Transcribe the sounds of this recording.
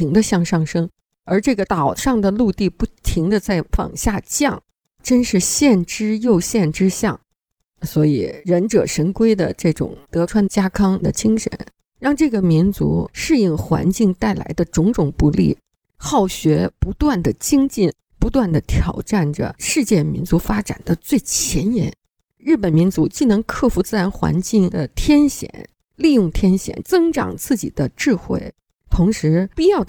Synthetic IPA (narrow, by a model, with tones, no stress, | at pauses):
i˧˥ŋd̪ə˧ɕjɑ˥˧ŋʂɑ˥˩ŋʂɤ˥ŋ | ə˞˧˥ʈ͡ʂɤ˥˩ɡə˩t̪ɑ˨˩ʊʂɑ˥˩ŋd̪ə˩lu˥˧t̪i˥˧pu˥˩t̪ʰi˧˥ŋd̪ə˧t͡sa˥˩ɪfɑ̰˨˩ŋɕja˥˧t͡ɕjɑ˥˩ŋ | ʈ͡ʂə˥nʂɻ̩˥˧ɕjɛ˥˩nʈ͡ʂɻ̩˥jo˥˧ʊɕjɛ˥˩nʈ͡ʂɻ̩˥ɕjɑ˥˩ŋ | swɔ˧˥i˨˩ɻə˧˥nʈ͡ʂɤ̰˨˩ʂə˧˥nkwe˥ɪd̪ə̰˨ʈ͡ʂɤ˥˩ʈ͡ʂʊ̰˨˩˦ŋt̪ɤ˧˥ʈ͡ʂʰwa˥nt͡ɕja˥kʰɑ˥ŋd̪ə̰˨t͡ɕi˥ŋʂə̰˧˥n | ɻɑ˥˧ŋʈ͡ʂɤ˥˩ɡə˩mi˧˥nt͡sṵ˧˥ʂɻ̩˥˧i˥˩ŋxwa̰˧˥nt͡ɕi˥˩ŋt̪a˥˩ɪla̰˧˥ɪd̪ə˧ʈ͡ʂʊ˧˥ŋʈ͡ʂʊ˨˩ŋpu˥˧lḭ˥˩ | xɑ˥˩ʊɕɥɛ˧˥pu˧˥t̪wa˥˩nd̪ə˩t͡ɕi˥ŋt͡ɕi˥˩n | pu˧˥t̪wa˥˩nd̪ə˩t̪ʰjɑ˨˩ʊʈ͡ʂa˥˩nʈ͡ʂə̰˩ʂɻ̩˥˧t͡ɕjɛ˥˩mḭ˧˥nt͡su˧˥fa˥ʈ͡ʂa̰˨˩nd̪ə˦t͡swe˥˩ɪt͡ɕʰjɛ˧˥njɛ˧˥n | ɻɻ̩˥˩pə˨˩nmi˧˥nt͡su˧˥t͡ɕi˥˩nɤ˧˥ŋkʰɤ˥˩fu˧˥t͡sɹ̩˥˩ɻa˧˥nxwa̰˧˥nt͡ɕi˥˩ŋd̪ə˩t̪ʰjɛ˥nɕjɛ̰˨˩˦n | li˥˧jʊ˥˩ŋt̪ʰjɛ˥nɕjɛ̰˨˩˦nt͡sɤ˥ŋʈ͡ʂɑ̰˨˩ŋt͡sɹ̩˥˩t͡ɕḭ˨˩d̪ə˦ʈ͡ʂɻ̩˥˧xwe˥˩ɪ | t̪ʰʊ˧˥ŋʂɻ̩˧˥pi˥˧jɑ˥˩ʊ